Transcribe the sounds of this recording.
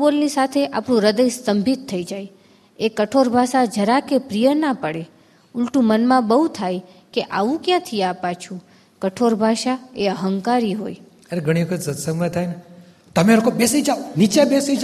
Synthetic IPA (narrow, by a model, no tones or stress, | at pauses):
bolnisat̪ʰeʔapɳũɾəd̪əjsəmbʱit̪ʰːəid͡ʒaj | ekəʈʰoɾbʱaʃad͡ʒʱəɾakepɾijənapəɽe | ʊlʈũmənmãbəɦut̪ʰaj | keʔaʋũkjãt̪ʰiapat͡ʃʰũ | kəʈʰoɾbʱaʃaeəɦəŋkaɾiɦoj | əɾeɡʱəɽ̃iʋəkʰət̪sət̪səŋmət̪ʰajne | t̪əmelokobesid͡ʒaonit͡ʃebesid͡ʒa